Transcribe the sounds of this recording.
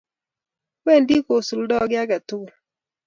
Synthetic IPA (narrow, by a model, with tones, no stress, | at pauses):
we˦˨n˦di˦ko˨su˨ldɔ˦˨˦ɡɪ˦a˦ɡa˨tu˦ɡu˨